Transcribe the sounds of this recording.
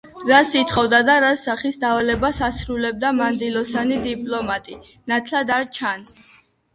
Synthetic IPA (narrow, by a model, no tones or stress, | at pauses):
ɾasit̪ʰχɔvd̪ad̪aɾasaχisd̪avalɛbasasɾulɛb̚d̪amand̪ilɔsanid̪ipʼlɔmat̪ʼi | nat̪ʰlad̪aɾt͡ʃʰans